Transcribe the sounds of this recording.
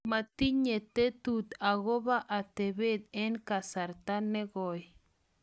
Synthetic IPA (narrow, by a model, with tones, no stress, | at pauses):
ma˨t̪i˦ɲe˨t̪e˦t̪u˨t̪a˨ɣo˦βa˦ʔa˨t̪e˨βe˦d̪̚ɛ˦nka˨sa˨ɾt̪a˦nːɛ˦ɡɔ˨j